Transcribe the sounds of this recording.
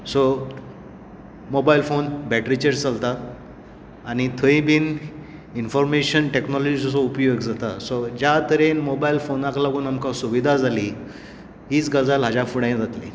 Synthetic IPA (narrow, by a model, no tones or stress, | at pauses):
sɔ | mobailfonbɛʈɾit͡ɕeɾt͡salt̪aː | ñit̪ʰəĩbiːninfɔɾmeɕənʈeknɔlɔd͡ʑisɔsɔupjoɡd͡zat̪asɔd͡ʑat̪əɾenmobailfonaklaɡuːnamkasuʋid̪ʱad͡zʱali | ɦiːt͡sɡəd͡zalɦad͡ʑafuɽãj̃d͡zat̪li